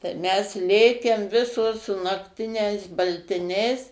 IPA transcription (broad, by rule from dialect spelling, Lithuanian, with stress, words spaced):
tɐɪ ˈmʲɛs ˈlʲeːkʲɛm ˈʋʲɪsoːs sʊ nɐkˈtʲɪnʲɛɪs bɐlʲtʲɪˈnʲɛɪs